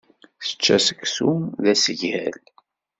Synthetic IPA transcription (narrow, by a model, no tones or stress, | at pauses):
θə̥t͡ʃːæsəksumðæsəʝhæl